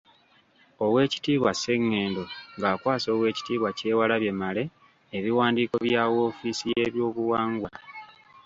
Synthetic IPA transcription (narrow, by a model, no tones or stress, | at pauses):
o̞we̞ːci̥tiːβwase̞ŋːe̞ːndo̞ŋɡaːkwaːso̞ːwe̞ːci̥tiːβwace̞ːwalaβje̞male̞ː | βiwaːndiːko̞βjawo̞ːfiːsijeβjo̞ːβuwaːŋɡwa